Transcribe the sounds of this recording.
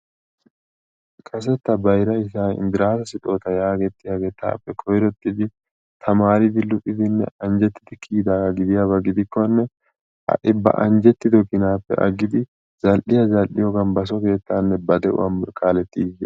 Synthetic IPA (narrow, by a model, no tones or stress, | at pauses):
kʰʼɐs̬ɛt̪ːɐbɐjɾɐɪsaːɪ̰nd̪ɪɾaːsɐsɪt̪ʼo̞ːt̪ɐjaːɡɛt̪ːɪjaɡɛt̪ːa̰ːpːɛkʰɔjɾɔt̪ːɪd̪ɪ | t̪ʰɐmaːɾɪd̪ɪlʊpʼːɪd̪ɪnːɛ̰ɐnd͡ʒɛt̪ːɪ̥d̪ɪkʰiːd̪aːɐɡɪd̪ɪjabɐɡɪd̪ɪkːɔnːɛ | hɐ̰ʔɪbːɐ̰ʔɐ̰nd͡ʒɛt̪ːɪd̪ɔkɪnaːpːɛ̰ʔɐ̰ɡɪd̪ɪ | z̥ɐlʔɪjɐzɐlʔɪjɔɡɐmbɐs̬ɔke̞ːt̪ːaːnːɛbɐd̪ɛʔʊ̰wɐmːʊɾkʰaːlɛt̪ːiːd͡ʒɛ̰